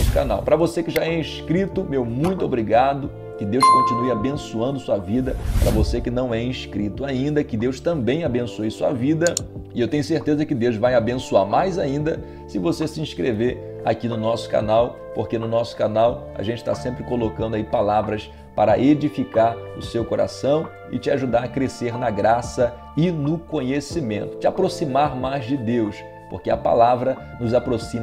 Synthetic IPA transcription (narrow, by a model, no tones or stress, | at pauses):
ska̰nawpɾɐvosekɪʒaɛĩʃkɾit̪ʊmewmũj̃t̪ʊobɾiɡad̪ʊ | kɪd̪ewskõnt͡ʃinuɪabẽsuɐ̃nd̪ʊsuɐvid̪ɐpɾɐvosekɪnɐ̃w̃ɛĩʃkɾit̪ʊaĩnd̪ɐkɪd̪ewst̪ɐ̃mbẽj̃abẽsojɐsuɐ̰vid̪ɐɪewt̪ẽɲʊseɾt̪ezɐkɪd̪ewzvajabẽsuaɾmajzaĩnd̪ɐ | sɪvosesɪĩsʃkɾeveɾ | a̰kinʊnɔsʊ̥ka̰naw | poɾkenʊnɔsʊ̥kanawɐ̰ʒẽnt͡ʃɪ̥t̪a̰sẽmpɾɪkolokɐ̃nd̪ʊaipalavɾɐs | paɾɐʔed͡ʒifikaɾʊsewkoɾa̰sɐ̃w̃ | ɪ̰t͡ʃɪaʒud̪aɾɐkɾeseɾnɐɡɾasɐ | ɪnʊkõɲesimẽnt̪ʊ̥t͡ʃɪapɾosimaɾmajzd͡ʒɪd̪ews | po̰ɾkeɐpa̰lavɾɐ | nʊzapɾosĩmɐ